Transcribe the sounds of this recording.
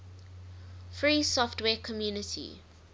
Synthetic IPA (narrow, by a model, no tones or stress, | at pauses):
fɹiːsɔftwɛːkʰɔmjuːnɪtʰḭ